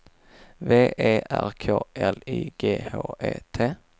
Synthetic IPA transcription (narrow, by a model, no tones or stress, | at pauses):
veːʔeːʔæɾkʰoːʔɛliːɡeːhoːʔeːt̪ʰeː